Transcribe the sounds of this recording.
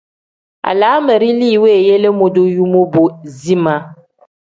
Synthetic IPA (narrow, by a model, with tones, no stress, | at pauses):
a̰˨la˨˦mə˨ɾi˦li˦˨we˦˨je˦le˦mo˨do˦ju˦mo˦bo˨zi˦mã˦